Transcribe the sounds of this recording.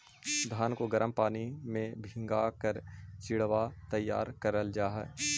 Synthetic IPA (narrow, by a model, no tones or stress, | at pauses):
d̪ʱaːnkoɡəɾəmpaːnimẽbʱɪ̃ŋɡakəɾt͡ʃɪɽʋat̪əjːa̰ːɾkəɾəld͡ʒaːɦɛ̰ː